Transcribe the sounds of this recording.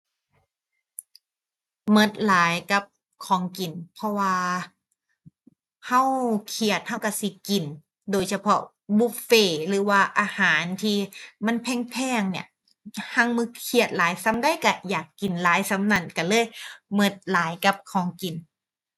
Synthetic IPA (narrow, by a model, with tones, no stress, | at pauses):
mɤ˧˩t̪̚laː˨˦jka˧˦p̚ | kʰɔː˨˦ŋki˨˩npʰɔ˧waː˧ | ha˧˥˨wkʰi˧ət̪̚ha˧˥˩wka˧˩si˧˦ki˨˩n | doː˨˩jsa˧pʰɔ̰˧˥ | buː˧˩feː˧˩lɯː˨˦waː˧˩ʔaː˧haː˨˩˦nt̪ʰiː˧ma˧˥˨npʰɛː˧˩˨ŋpʰɛː˧˥˩ŋni˧˩ɐ | ha˧˥˨ŋmɯ˧˩kʰi˧˩ət̪̚laː˨˦jsa˧˥mda˧˥˨jka˧˩jaː˨˩kːi˨˩nlaː˨˦jsa˧˥mna˧˩˨nka˧˩lɤː˧˥˨jmɤ˧˩t̪̚laː˨˦jka˧˦p̚kʰɔː˨˦ŋki˨˩n